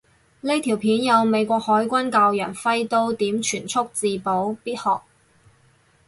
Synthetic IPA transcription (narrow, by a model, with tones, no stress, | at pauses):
le˥t̪ʰiː˨˩wpʰiː˨˥njɐ˨˧wme˨˧jkʷɔː˧k̚hɔː˨˥jkʷɐ˥nkaː˧wjœ̰ː˨˩ŋfɐ˥jt̪o˥wt̪iː˨˥mt͡ʃʰyː˨˩nt͡sʰʊ˥k̚t͡siː˧po˨˥wpiː˥t̚hɔː˨k̚